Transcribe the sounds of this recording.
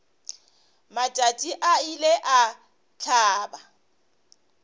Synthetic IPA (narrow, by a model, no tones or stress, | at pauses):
mat͡ʃʼatʼiʔaileʔa | t͡ɬʰaːba